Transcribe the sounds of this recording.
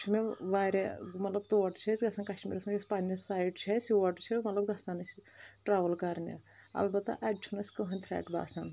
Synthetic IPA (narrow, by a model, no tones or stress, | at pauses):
t͡ʃʰumeʋaːɾemɐt̪lɐb̚t̪uʋɐʈt͡ʃʰɐsʲɡɐsankɐʃʈmḭɾɐsmispanisaːjʈt͡ʃʰɐsʲʋɐʈt͡ʃʰimɐt̪lɐb̚ɡɐsanɐsi | ʈɾaːʋɐlkɐɾnḛɐ̰lbɐt̪ːɐ̰ʔɐɖt͡ʃʰunɐsʲkɐɦɐnʲt̪ʰɾɛ̰ːʈba̰ːsɐn